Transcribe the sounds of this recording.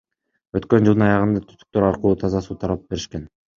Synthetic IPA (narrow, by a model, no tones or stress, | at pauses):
øt̪kø̞nd͡ʒɯlˠɯnɑjɑʁɯnd̪ɑt̪ʰy̥st̪y̥k̚t̪øɾɑɾqluːt̪ʰɑzɑsuːt̪ʰɑɾɑp̚be̞ɾiʃke̞n